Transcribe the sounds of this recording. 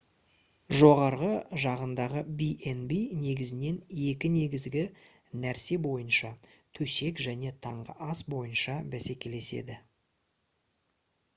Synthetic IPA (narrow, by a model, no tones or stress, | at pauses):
ʒo̞ʁɑɾʁəʒɑʁənd̪ɑʁəbiʔenbijne̞ɡʲɪzɪne̞ne̞kʲɪne̞ɡʲɪzɡʲɪ | næɾse̞bo̞jənʃɑ | t̪ʰɵse̞kʒæne̞t̪ʰɑɴʁə̰ʔɑsbo̞jənʃɑbæse̞kʲe̞le̞se̞̰d̪ɪ